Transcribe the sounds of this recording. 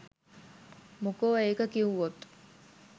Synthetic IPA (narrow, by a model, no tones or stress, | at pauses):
mokoːʋeːkəkiuʋot̪